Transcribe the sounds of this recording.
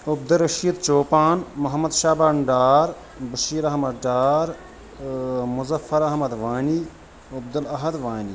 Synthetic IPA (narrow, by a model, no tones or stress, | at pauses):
ub̚d̪ɐɾɐʃiːd̪t͡ʃoːpaːnmɐɦɐmɐd̪ʃaːbaːɳɖaːɾ | bɐʃiːɾɐɦmɐd̪ɖaːɾ | mʊzɐfːɐɾɐɦmɐd̪ʋaːni | ʊb̚d̪ɐlɐɦɐd̪ʋaːni